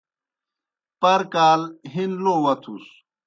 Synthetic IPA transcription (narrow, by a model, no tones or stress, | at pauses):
pɐɾkaːlɦinloːwɐt̪ʰus